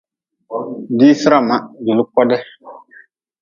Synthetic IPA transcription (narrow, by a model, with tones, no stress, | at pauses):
di˦sɪ˦ɾa˦˨ma˦du˨lʊ˦kɔ˦dɛ˦